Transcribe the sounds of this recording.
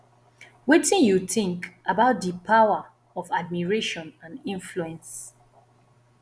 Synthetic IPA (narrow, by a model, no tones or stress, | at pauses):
wetĩnjuθĩŋkabaʊt̚dipʰawa | ɔvad̚miɹeʃɔ̃nãnĩnfluɛ̃ns